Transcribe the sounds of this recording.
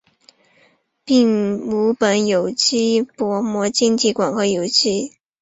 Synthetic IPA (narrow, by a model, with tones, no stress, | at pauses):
pi˥˩ŋu˧˥pə˨˩njo˨˩ʊt͡ɕi˥pwɔ˧˥mwɔ˧˥t͡ɕi˥ŋt͡ɕi˥˩kwa˨˩nxɤ˧˥jo˨˩ʊt͡ɕi˥˩